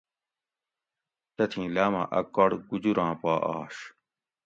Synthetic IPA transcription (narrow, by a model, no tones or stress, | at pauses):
t̪ɐt̪ʰĩːlaːmã̰ːʔɐkɐɽɡud͡ʑuɾãːpaːʔaːɕ